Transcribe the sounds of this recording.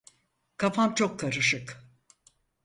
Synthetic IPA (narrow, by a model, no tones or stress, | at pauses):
kʰafamt͡ʃʰo̞kʰːaɾɯʃɯk